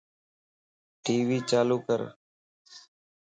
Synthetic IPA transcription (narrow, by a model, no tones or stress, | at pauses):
ʈiːʋiːt͡ʃaːluːkəɾ